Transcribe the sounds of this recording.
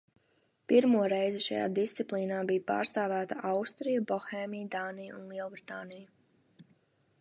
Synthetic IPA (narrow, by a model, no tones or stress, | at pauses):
piɾmuɔɾejziʃa̰ja̰ːd̪ist̪siplˠiːnaːbijpa̰ːɾst̪aːvæːt̪aʔawst̪ɾijabɔxeːmijd̪aːnijunlˠiɛlˠbɾit̪aːnija